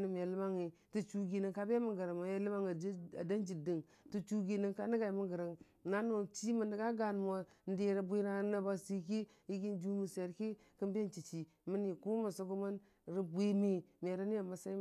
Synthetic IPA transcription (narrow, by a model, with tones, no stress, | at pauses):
ni˨m˨a˨li˦ma˦ŋi˨ | tu˦t͡ʃu˦ɡi˨ni˦ŋka˦ba˦mi˦ɡə˨ɾa˨ma˨ja˦li˦ma˦ŋ˨˦a̰˨da˦nd͡ʒi˨di˨ŋ | tu˦˨t͡ʃu˦ɡi˦ni˦ŋka˦ni˦ɡa˨i˨mi˦ŋɡə˨ɾa˨ŋ | na˦no˨t͡ʃi˦mə˨ndi˨ɡa˦ɡa˨n˨mo˨n˦de˨ɾa˨bʷe˦na˨˦na˨ba˨si˦ki˦ | i˦ɡi˦nd͡ʒu˦mi˨se˨ɾki˦ | kə˦mbe˦t͡ʃi˨t͡ʃi˨ | mi˦ni˨ku˦ma˨so˦ɡu˦ma˦n | ɾi˦bʷe˦me˦m˨e˨ɾa˦ni˦a˨ma˨sa˦i˦